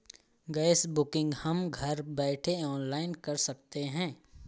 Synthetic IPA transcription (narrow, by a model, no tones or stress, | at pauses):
ɡɛːɪsbʊkɪ̃ŋɡhɐmɡʱɐɾbɛːʈʰeɔːnlaːɪnkɐɾsɐk̚t̪eɦɛ̃ː